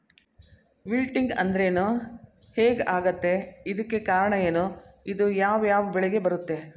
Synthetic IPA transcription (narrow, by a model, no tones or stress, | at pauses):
ʋilʈiŋɡɐ̰nd̪ɐɾe̞ːnu | heːɡaːɡɐt̪ːe̞id̪ɐkːe̞kaːɾɐɳɐjeːnuid̪ujaːʋjaːʋɐbɛɭeɡe̞bɐɾut̪ːe̞